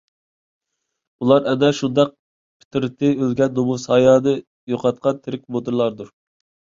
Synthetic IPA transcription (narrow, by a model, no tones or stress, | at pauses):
ulˠɑɾɛd̪ɛʃund̪ɑq̚ | pʰɪ̥t̪ʰɪɾɪt̪ʰɪølɡʲɛnd̪omusɑːjɑːnɨ | joqʰɑt̪̚qɑnt̪ʰɪɾɪk̚ʲmod̪uɾlˠɑɾd̪uɾ